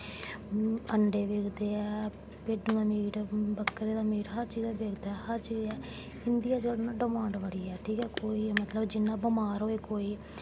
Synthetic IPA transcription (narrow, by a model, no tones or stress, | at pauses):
əɳɖeːʋeːkʰd̪eːɛː | peːɖuãːmiːʈbəkːɾeːd̪aːmiːɾɦəɾt͡ʃiːd͡ʒɛːʋeːkʰd̪aːɛːhəɾt͡ʃiːzɛː | ɪnd̪ijaːd͡ʒəɽnaːɖɪmãːɳɖʋəɽiːɛːʈʰiːkɛːkoːiːmət̪ləbd͡ʒɪnːãːbəmaːɾoːeːkoːiː